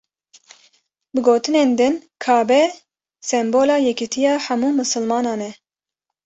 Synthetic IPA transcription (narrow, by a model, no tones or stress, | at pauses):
bɨɡoːt̪ɨneːnd̪ɨnkʰɑːbɛ | sɛmboːlɑːjɛkit̪ʰijɑːħæmuːmɨsɨlmɑːnɑːnɛ